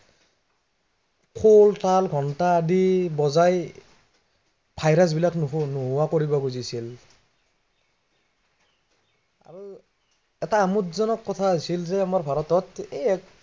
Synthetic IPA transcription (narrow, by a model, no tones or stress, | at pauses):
kʰoltalɡʱɔntaːdibɔzaj | pʰajɾas̬bilaknuɦuwakoɹibɔɡuzisil | a̰ɹu | ɛtaːmutzɔnɔkːɔtʰaasilzɛamaɹbʱaɹɔtɔtejɛk